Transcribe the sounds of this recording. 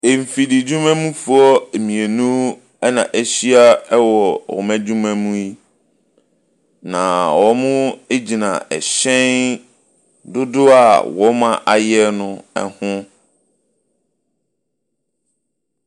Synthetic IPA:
e˨m̩˨fi˨di˨d͡ʑũ˦mæ̃˦mũ˦fʊ˨˦ɔ˦e˨mĩ˨e˨nũ˦ | ɛ˦nã̰˨ʔæ˨ɕi˦a˦ɛ˦wɔ˨wɔ̰˨mæ̃˦d͡ʑu˦mæ̃˦mũ˦i˦ | nã̰˨wɔ˨˦mʊ̃˦e˦d͡ʑi˨nã˨ʔɛ̰˨ɕɛ̃˦n | dʊ˦dʊ˦a˨wɔ˦mã˦˨ʔa˨jɛ˦nʊ̃˦ɛ̰˨hʊ̃˦

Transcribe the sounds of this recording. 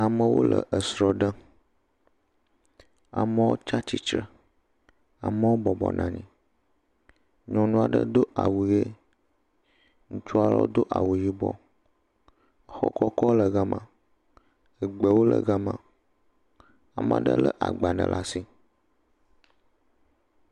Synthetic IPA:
a˨mə̃˦wo̰˦lə̰˨ʔə˨sɾɔ˨ɖə˦ | a̰˨mə˦wo˦t͡ʃa˦t͡ɕi˦t͡ʃɾə˨ | a˨mə̃˦wo˦bɔ˨bɔ̰˨nʔã˨ɲḭ̃˨ | ɲɔ̃˨nũ˦a˨ɖə̰˦d̪o˦ʔa˨wu˨je˦ | ŋũ˦t͡ʃu˦a˦lɔ̰˦d̪o˦ʔa˨wu˨ji˦bɔ̰˦ | ə˨xɔ̰˦kɔ˦kɔ˦lə˨ɡa˦mã˨ | ə˨ɡ͡bə˨wo˦lə̰˨ɡa˦mã˨ | a˨m̃˦ã˨ɖə̰˦lə˦ʔa̰˨ɡ͡ba˨nə̰̃˨lʔa˦si˦

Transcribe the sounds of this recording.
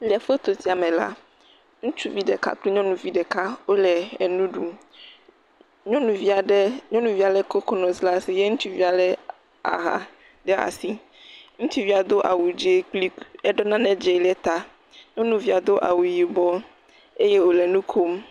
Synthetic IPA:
li˨ɛ˨fe˦t̪o˨t̪i˨˦a˨mẽ˨la̰˦ | ŋũ˦t͡ʃu˦vi˦ɖɛ˨ka̰˦k͡pli˦ɲɔ̃˦nũ˨vi˨ɖɛ˨ka˦wo˦lɛ˨ɛ˨nũ˦ɖu˨ | ɲɔ̃˦nũ˨vi˦a˨ɖɛ˦ɲɔ̃˦nũ˨vi˦a˨lɛ˦ko˦kɔ˦nɔ̃˨zla˦si˨je˦ŋũ˦t͡ʃu˦vi˦a˨lɛ˦ | a̰˨ɦa̰˨ | ɖɛ˦a̰˨si˦ | ŋũ˦t͡ʃi˦vi˦a˨d̪o˦ʔa̰˨wu˨d͡ʒe˦k͡pli˦ɛ˦ɖɔ˦nã˦nɛ̃˦d͡ʒe˨lɛ˦t̪a˨ | ɲɔ̃˦nũ˨vi˦a˨d̪o˦ʔa̰˨wu˨ji˨bɔ˦ | e˦je˦wo˨lɛ˨nũ˦kʰo˦m

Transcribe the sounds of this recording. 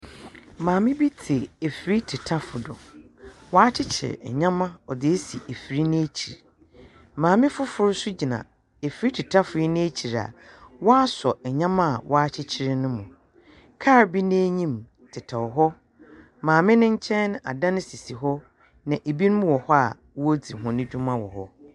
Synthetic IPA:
mãː˨mɪ̃˦bi˦tʰɪ˨e˨fi˨ɾi˦tʰɪ˨tʰa˦fʊ˨dɔ̰˨ | waː˦t͡ɕʰɪ˦t͡ɕʰɪ̰˨ɛ̰˨ɲã˦mã˦ɔ˨dɪ˨e˦si˨e˨fi˨ɾi˦nɪ̃˦e˦t͡ɕʰi˨ɾ | mãː˨mɪ̃˦fʊ˦fʊ˦ɾsʊ˦d͡ʑi˨nã̰˨ | e˨fi˨ɾi˦tʰɪ˨tʰa˦fʊ˨ji˦nɪ̃˦e˦t͡ɕʰi˨ɾa̰˨wɔ˦a˦sɔ˨ɛ˨ɲã˦mã˦a̰˨wʔɔ˦a˦t͡ɕʰɪ˦t͡ɕʰɪ˦ɾɪ˦nʊ̃˦mʊ̃˨ | kʰa˦˨ɾbi˦nẽ˦ɲĩ˦m | tʰɪ˨tʰa˨ɔ˨ɦɔ˦ | mãː˨mɪ̃˦nɪ̃˦ɲ̩˦t͡ɕʰɛ̃˦n˦a̰˨dã˦nɪ̃˦si˨si˨ɦɔ˦ | nã˨ʔe˨bi˦ñ˦mũ˦wɔ˨hɔ˦a̰˨ | wo˦d͡zi˨ɦʊ̃˨nɪ̃˦dᶣũ˦mã˦wɔ̰˨hɔ̰˦

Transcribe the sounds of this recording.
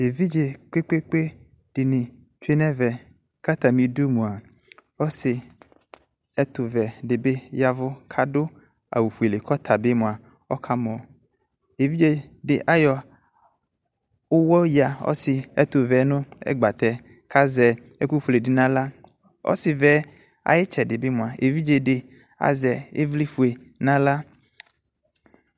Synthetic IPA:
e˨vi˦d͡ʒe˨k͡pe˦k͡pe˦k͡pe˦ | ɖ̥ɪ˨nɪ̃˨t͡ʃu˦e˦nɛ̃˦vɛ˨ | ka˦t̪a˨mĩ˨do˦mũ˨a˨ | ɔ˦sɪ˨ | ɛ˦t̪ʊ˨vɛ˨ɖɪ˨be˦ja˨vʊ˦kʰa˦dʊ˦ | a̰˨wu˨fu˨e˨le˨kɔ˦t̪ʰa˨be˦mũ˨a˨ | ɔ̰˦kʰa˦mɔ̃˨ | e˨vi˦d͡ʒe˨ɖɪ˨ʔa˦jɔ˨ | ʊ˦wɔ˦ja˨ɔ̰˦sɪ˨ɛ˦t̪ʊ˨vɛ˨˦nʊ̃˦ɛ̰˦ɡ͡ba˨t̪ɛ˨kʰa˦zɛ˨e˦ku˦ɸu˨le˨dɪ˦nã˦la˦ɔ̰˦sɪ˨vɛ˨˦a̰˨jɪ˦t͡ʃɛ˨dɪ˨be˦mʊ̃˨a˨ʔe˨vi˦d͡ʒe˨ɖɪ˨ | a̰˦zɛ˨e˦vli˦fu˨e˨nã˦la˦

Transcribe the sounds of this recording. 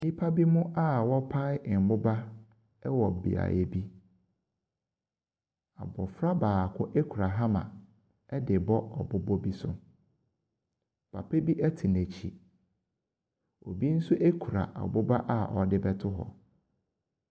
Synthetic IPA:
nĩ˦pʰa˦bi˦mʊ̃˦ʔa˦˨wɔ˦pʰa˦ɪ˦˨m̩˨bʊ˦ba˦ | ɛ˦wɔ˨bḭ˨a̰˨je˨bi˦ | a̰˨bɔ˨fɾa˦baː˨kʰʊ˦ʔe˦kʰu˨ɾa˨ɦa˦mã̰˨ | ɛ˦dɪ˨bɔ˦ɔ˨bʊ˦bɔ˦bi˦sʊ˨ | pʰa̰˨pʰe˦bi˦ʔæ˦tʰi˨næ˨t͡ɕʰḭ˨ | o˨bi˦n̩˦sʊ˦ʔe˦kʰu˨ɾa̰˨ʔa̰˨bʊ˦ba˦ʔa˦˨ʔɔ˨dɪ˦bɛ˦tʰʊ˦ɦɔ̰˨

